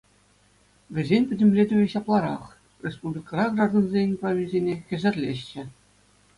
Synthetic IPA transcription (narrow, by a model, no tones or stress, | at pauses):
ʋʲɘ̆zʲenʲpʲɘ̆dʲɘ̆mʲlʲedʲɘ̆ʋʲɘ̆ɕɑplˠɑɾɑχ | rʲespublʲikɑrɑɡrɑrd̪ŏnzʲenʲproʋʲilʲzʲenʲekʲɘ̆zʲɘ̆rʲlʲeɕt͡ɕɘ̆